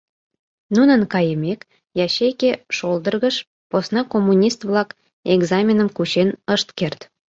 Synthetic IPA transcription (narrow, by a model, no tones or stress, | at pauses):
nunənkɑjəmʲek | jɑɕekeʃold̪ə̆rɣə̆ʃ | posnɑkomːunʲist̪vlɑk | eɡzɑmʲenəmkut͡ɕenəʃt̪kert̪